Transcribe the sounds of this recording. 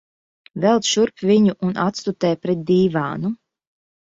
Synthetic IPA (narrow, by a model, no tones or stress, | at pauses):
vɛlˠt̪ʃuɾpvʲiɲuʔunʔat̪st̪ut̪ɛːjpɾɛt̪̚d̪ʲiːvaːnu